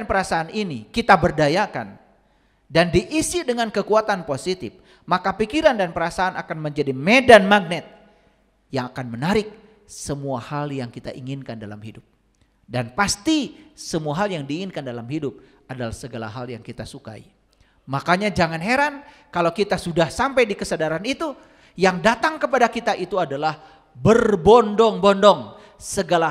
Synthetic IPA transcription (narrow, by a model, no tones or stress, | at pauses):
npəɾasaːninikit̪abərdajakan | dandiʔisidəŋankəkuat̪anposit̪ɪf | makapikiɾandanpəɾasaːnakanməɲd͡ʒadimedanmaɡ̚nɛt̪̚ | jaŋakanmənaɾɪk̚ | səmuahaljaŋkit̪a̰ʔiŋɪnkandala̰mhidʊp̚ | danpast̪isəmuaɦaljaŋdiːŋɪnkandalamɦidʊp̚ | adalahsəɡala̰ɦaljaŋkit̪asuka̰ḭ | makaɲad͡ʒaŋanɦeɾan | kalawkit̪asudahsampajdikəsadaɾanit̪u | jaŋdat̪aŋkəpadakit̪aʔit̪uadalah | bərbɔndɔŋbɔndɔŋ | səɡala